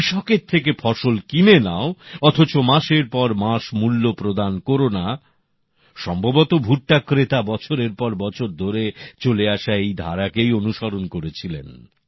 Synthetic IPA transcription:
ʃɔkeɾt̪ʰek̬efʰɔʃolkimenaoɔt̪ʰot͡ɕomaʃeɾpɔɾmaʃmulːopɾod̪ankoɾona | ʃɔmbʱobot̪obʱuʈʈakɾet̪abɔt͡ɕʰoɾeɾpɔɾbɔt͡ɕʰoɾd̪ʱoɾet͡ɕoleaʃaejd̪ʱa̰ɾakejonuʃɔɾonkoɾet͡ɕʰilḛn

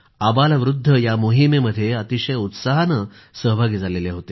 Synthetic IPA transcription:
abaləʋɾud̪ʱːəjamuɦimeməd̪ʱːjeət̪iɕəjəut̪saɦanə | səɦbʱaɡid͡zaleleɦot̪e

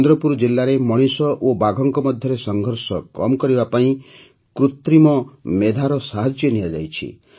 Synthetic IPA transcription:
nd̪ɾɔpuɾd͡ʒilːaɾemɔɽ̃isɔʔobaɡʱɔŋkɔmɔd̪ʱjɔɾesɔŋɡʱɔɾsɔkɔmkɔɾibapaĩ | kɾut̪ɾimɔmed̪ʱaɾɔsaɦad͡ʒjenijad͡ʒa̰jt͡ʃʰḭ

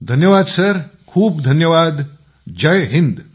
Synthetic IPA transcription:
d̪ʱɐnjəʋaːd̪sɐɾkʰuːbd̪ʱɐnjəʋaːd̪ | d͡ʒɐjɦind̪

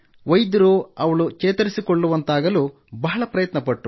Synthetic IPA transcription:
ʋɐjd̪iɾoːɐʋɐɭut͡ʃɛːt̪ɐɾisikoɭːuʋɐnt̪aːɡɐluː | bɐɦɐɭɐpɾɐjɐt̪nɐpɐʈːu

